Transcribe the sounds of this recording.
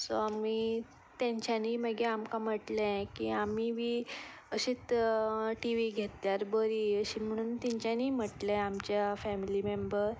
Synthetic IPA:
soami | t̪jãɲt͡ɕjaniːməɡeamkãm̤əʈlɛ̃kiamiʋiː | əɕiːt͡s̪ | ʈiʋiɡʱet̪jaɾbəɾiəɕiːm̤əɽ̃uːnt̪iɲt͡ɕaniːm̤əʈlẽamt͡ɕjafɛmilimembəɾ

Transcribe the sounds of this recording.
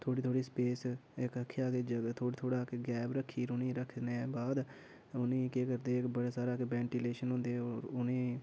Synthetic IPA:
t̪ʰoːɽiːt̪ʰoːɽiːspeːsɪkəkʰːjaːɡeːd͡ʒəɡt̪ʰoːit̪ʰoːɽaːkɡɛːbɾəkʰːiːɾʊnĩːɾək̪ʰneːbaːd̪ | ʊnĩːkeːkəɾd̪eːɪkbəɽeːsaːɾaːkbɛ̃ːɳʈiːleːʃənɦʊ̃ːnd̪eːoːɾʊnẽː

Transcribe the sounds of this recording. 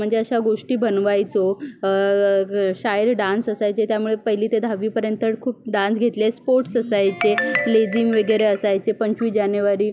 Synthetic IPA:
m̤əɳd͡zeəɕaɡoʂʈiːbənʋajt͡so | ɕajəd̪ɖãnsəsajt͡set̪jamuɭepəɦiliːt̪ed̪ʱaʋiːpəɾjənt̪əkʰuːp̚ɖãnsɡʱet̪lespoɾʈsəsajt͡seled͡zimʋəɡəɾeəsajt͡sepəɲt͡ɕʋiːd͡ʑanjəʋaɾiː

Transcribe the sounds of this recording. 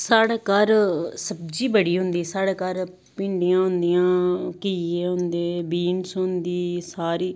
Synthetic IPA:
saːɽeːkəɾsəb̚d͡ʒiːbəɽiːɦʊ̃nd̪iːsaːɽeːkəɾ | pɪ̃ːɳɖɪjãːɦʊ̃nd̪ijãːkiːeːɦʊ̃nd̪eːbiːnsʊnd̪iːsaːɾiː

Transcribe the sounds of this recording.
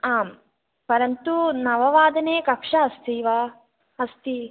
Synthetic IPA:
aːm | pɐɾɐnt̪unɐʋɐʋaːd̪ɐneːkɐkʂɐɐst̪iʋaː | ɐst̪i

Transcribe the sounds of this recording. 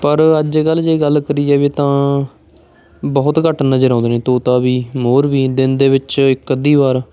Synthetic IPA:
pəɾəd͡ʒɡəlːd͡ʒeːɡəlkəɾiːd͡ʒɛːʋeːt̪ãː | bəːʊt̪kəʈnəd͡ʒəɾãːnd̪ːneːt̪oːt̪aːbiːmoːɾʋiːd̪ɪnd̪eːʋɪt͡ʃɪkːəd̪iːʋaːɾː

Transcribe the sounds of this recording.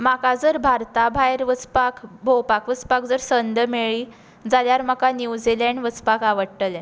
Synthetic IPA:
makad͡zəɾbʱaɾt̪abʱajɾʋət͡spakʰbʱowpakʋət͡spakd͡zəɾsənd̪əmeɭi | d͡zaljaɾmakaniwd͡zilɛɳɖʋət͡spakaʋəɽʈəlɛ

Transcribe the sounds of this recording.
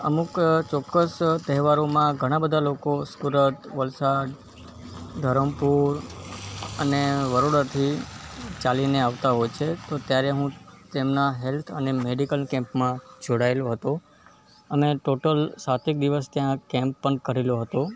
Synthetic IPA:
ə̰mukt͡ʃɔkːəst̪əɦɛʋaɾomãɡʱəɽ̃abəd̪ʱalokosuɾət̪ʋəlsaɽ | d̪ʱəɾəmpuɾ | əneʋəɾoɽat̪ʰit͡ʃalineaʋt̪aɦɔjt͡ʃʰet̪ot̪jaɾeɦũt̪emnaɦelt̪ʰənemeɖikəlkɛ̃mpmãd͡ʒʱoɽaeloɦət̪o | əmeʈoʈəlsat̪ʰik̚d̪iʋəst̪jãkɛ̃mpːəɳkəɾeloɦət̪o

